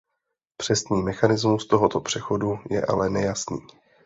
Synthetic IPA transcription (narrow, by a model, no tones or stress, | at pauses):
pr̥ɛst̪niːmɛxanɪzmust̪o̞ɦo̞t̪o̞pr̝̥ɛxo̞dujɛ̰ʔa̰lɛnɛjasniː